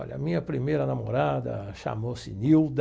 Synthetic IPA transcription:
ɔʎɐmĩɲɐpɾimejɾɐnamoɾad̪ɐ̰ʃa̰mosɪniwd̪

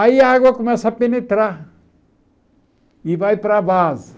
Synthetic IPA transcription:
ajaɡokmesɐpinit̪ɾa | ibajpɾabaz

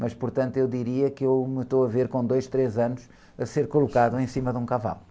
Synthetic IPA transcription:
mɐʃpuɾt̪ɐ̃nt̪ewd̪iɾiɐkɨewmɨʃt̪oɐveɾkõd̪ojʃt̪ɾezɐnuʃ | ɐseɾkulˠukaðuẽj̃simɐðũkɐva̰lˠu

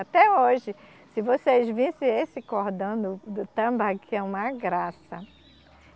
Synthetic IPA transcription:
at̪ɛoʒɪ | sɪvosezvĩsɪ̃esɪkoɾd̪ɐ̃w̃d̪ʊd̪ʊt̪ɐ̃mbakɪɛũmɐɡɾasɐ

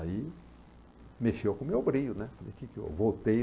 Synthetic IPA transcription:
ai | meʃewkũmewbɾiʎunɛ̃falḛkiko̰vowt̪ej

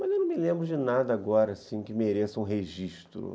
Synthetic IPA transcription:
mɐzewnɐ̃mɪlẽmbɾʊd͡ʒɪnad̪ɐaɡɔɾɐːsĩkɪmeɾesɐũɦeʒiʃt̪ɾʊ̰

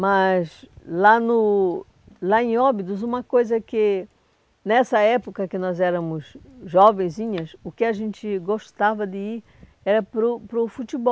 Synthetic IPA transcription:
mɐzlanʊ | laẽɔbid̪ʊzũmɐkojzɐkɪ | nɛsɐɛpokɐkɪnɔzɛɾɐ̃mʊzʒɔvẽj̃zĩɲɐsʊkɪaʒẽnt͡ʃ̪ɪɡoʃt̪avɐd̪ɪiɾ | ɛɾɐpɾʊpɾʊfut̪ibɔ

